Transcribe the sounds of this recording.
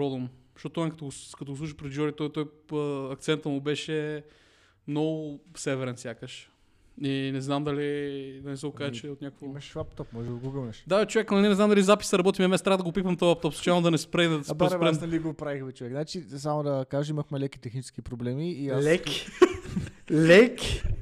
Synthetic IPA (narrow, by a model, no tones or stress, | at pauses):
ɾɔd̪omʃoɔt̪ːɔinkɐt̪ɔɡkɐt̪ɔɡosˠuʃ̬ipɾɛd̪d͡ʒɔɾit̪ɔjt̪ɔjɐk̚t̪sɛnt̪əmʊbɛʃɛ | mnɔɡʊfsɛvɛɾɛnsʲjakəʃ | inɛznamd̪ɐlid̪ɐnɛsɛɡokaʒɛt͡ʃɛot̪nʲjakvomɛʃapt̪ɔpmɔʒɛd̪əɡuɡəlˠnɛʃd̪at͡ʃovɛknɐnɛnɛznamd̪ɐlizapi̥səɾɐbɔt̪imɛɐmɛst̪ɾaəd̪ɡopipɐmt̪ɔjap̚t̪ɔpsɛ̥t͡ʃalˠnod̪ɐnɛspɾɛd̪d̪spɾɛɾɛliɡopɾaixvɛt͡ʃovɛkznat͡ʃis̬amod̪ɐkaʒəiməxmɛlɛkit̪ɛxnit͡ʃɛ̥skipɾoblɛmiːaslɛk | lɛk